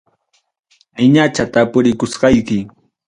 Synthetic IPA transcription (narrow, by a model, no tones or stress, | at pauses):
ɪɲat͡ʃat̪apʊɾɪkʊsɢɑjkɪ